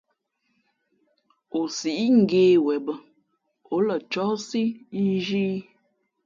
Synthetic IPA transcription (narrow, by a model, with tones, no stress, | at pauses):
o˨si˨ʔi˦ŋ̩˨ɡeː˨˦wɛ˨bə˦ | o˨˦lə˨t͡ʃɔ˦si˦i˦ʒi˦